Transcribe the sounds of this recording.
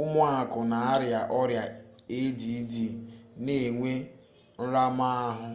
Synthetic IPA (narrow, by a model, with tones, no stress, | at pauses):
ʊ˦mʊ˦a˨kʊ˨na˨a˦ɾja˨ʔɔ˦ɾja˨e˦di˨˦di˨ne˨ŋʷe˦ | n̩˦ɾa˦ma˦a˦ɦʊ˦